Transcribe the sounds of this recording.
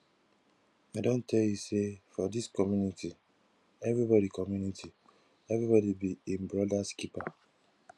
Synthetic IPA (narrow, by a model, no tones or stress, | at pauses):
aɪdõntʰɛljusefɔdiskɔmjuniti | ɛvɹibɔdikɔmjunitʰi | ɛvɹibɔdibiĩmbɹɔdaskipa